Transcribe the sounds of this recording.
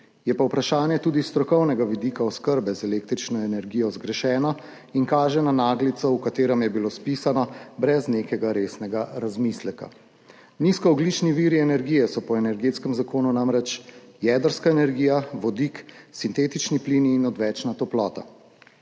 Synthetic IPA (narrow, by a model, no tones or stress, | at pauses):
jɛpawpɾaʃaːnjɛt̪uːd̪ist̪ɾɔkɔwnɛɡaʋid̪ikaɔskəɾbɛzɛleːk̚t̪ɾit͡ʃnɔɛnɛɾɡiːjɔzɡɾɛʃɛːnɔ | iŋkaːʒɛnanaːɡlit̪sɔukat̪eːɾɛmjɛbilospisanɔbɾɛzneːkɛɡaɾeːsnɛɡaɾazmislɛka̰ | niskɔɔɡlit͡ʃniʋiːɾiɛnɛɾɡiːjɛsɔpɔɛnɛɾɡeːt̪skɛmzakoːnunamɾɛt͡ʃjɛːd̪əɾskaɛnɛɾɡiːjaʋɔd̪iksint̪eːt̪it͡ʃnipliniːnɔd̪ʋɛːt͡ʃnat̪ɔplɔːt̪a̰